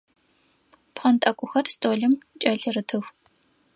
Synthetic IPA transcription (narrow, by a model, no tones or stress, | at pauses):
pχɐntʼɐkʷʼʊxɐrstʰʼoːɮɨmt͡ʃʼɐɮɨrɨtʰɨxʷ